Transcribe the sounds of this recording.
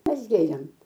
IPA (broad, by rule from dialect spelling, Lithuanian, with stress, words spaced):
ˈmʲɛs ˈɡʲeːrʲeːm